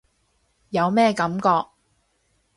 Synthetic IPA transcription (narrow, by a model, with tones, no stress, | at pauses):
jɐ˨˧wmɛː˥˧kɐ˨˥mkɔː˧k̚